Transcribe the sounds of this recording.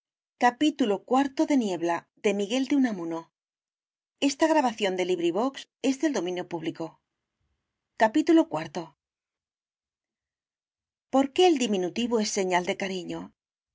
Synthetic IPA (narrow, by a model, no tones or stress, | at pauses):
kapit̪ulokwaɾt̪o̞ðe̞nje̞βla | ðe̞miɣe̞ld̪eunamuno | e̞st̪aɣ̞ɾaβaθjo̞nd̪e̞liβɾiβ̞o̞kse̞zðe̞ld̪o̞mĩnjo̞puβliko̞ | kapit̪ulo̞kwaɾt̪o̞ | po̞ɾke̞ːld̪imĩnut̪iβoe̞sːe̞ɲald̪e̞kaɾiɲo